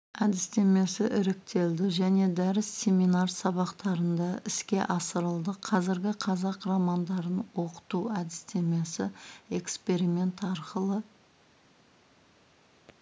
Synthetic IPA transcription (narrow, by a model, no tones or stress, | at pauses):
æd̪ɪst̪e̞me̞sɪʔɪɾɪk̚t̪e̞ld̪ɪʒæne̞d̪æɾɪsːʲe̞mijnɑɾsɑβɑqt̪ɑɾənd̪ɑɪskʲe̞ʔɑsəɾəlˠd̪əqʰɑzɪɾɡʲɪqʰɑzɑqrɑmɑnd̪ɑɾənwo̞qə̥t̪uæd̪ɪ̥st̪e̞me̞sɪe̞kspe̞ɾime̞nt̪ɑɾqəlˠə